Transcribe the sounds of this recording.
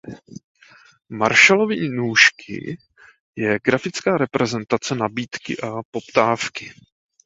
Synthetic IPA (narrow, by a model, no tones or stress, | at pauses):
maɾʃalo̞viːnuːʃkʰɪ̰ | jɛɡɾafɪt͡skaːɾɛpɾɛzɛnt̪at͡sɛnabiːt̪kɪ̰ʔapo̞pt̪aːfkɪ